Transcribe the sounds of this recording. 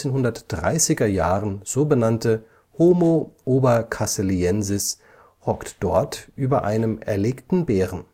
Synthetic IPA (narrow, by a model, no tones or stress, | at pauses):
eːnɦʊndɐtd̥ʁa̰ɪsɪɡɐjaːʁənz̥oːbənantə | hoːmoʔoːbɐkʰaseliɛnzɪs | hɔktd̥ɔɐtʔyːbɐʔa̰ɪnəmɛ̰ɐleːktn̩bɛːʁən̩